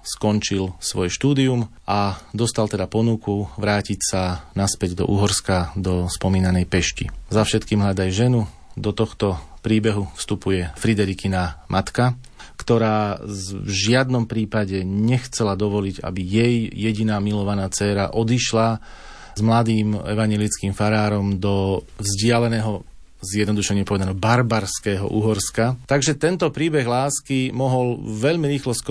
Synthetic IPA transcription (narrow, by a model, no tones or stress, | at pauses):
skɔnt͡ʃilsʋɔjɛʃt̪uːd̪iumʔad̪ɔst̪alt̪ɛd̪apɔnukuʋɾaːcicsanaspɛɟd̪ɔ̰ʔuːɦɔɾskad̪ɔspɔmiːnanɛjpɛʃcḭzafʃɛt̪kiːmɦʎad̪ajʒɛnu | d̪ɔt̪ɔxt̪ɔpɾiːbɛɦufst̪upujɛfɾid̪ɛɾikinamʔat̪ka | kt̪ɔɾaːvʒɪad̪nɔmpɾiːpaɟɛɲɛxt͡sɛlad̪ɔʋɔliɟa̰bijɛjːɛɟinaːmilɔʋanaːt͡sɛːɾa̰ʔɔd̪iʃla | zmlad̪iːmɛ̰ʋaɲɪjɛlit͡skiːmfaɾaːɾɔmd̪ɔvzɟɪalɛnɛːɦɔ | zjɛd̪nɔd̪uʃɛɲɪɛpɔʋɛd̪anɔɔbaɾbaɾskɛːɦɔ̰ʔṵɦɔɾskat̪aɡʒɛt̪ɛnt̪ɔpɾiːbɛɣlaːskimɔɦɔlʋɛʎmiɾiːxlɔsk